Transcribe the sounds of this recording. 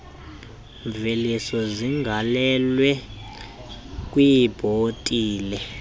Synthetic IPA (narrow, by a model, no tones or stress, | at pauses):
ɱvelisɔziŋɡʱalɛlwɛ | k̬ʼwijb̥ʱotʼiːlɛ